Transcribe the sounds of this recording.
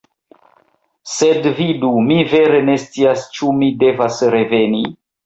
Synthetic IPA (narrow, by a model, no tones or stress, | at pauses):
se̞dvidumive̞ɾe̞ne̞st͡siast͡ʃumide̞vasɾe̞ve̞ni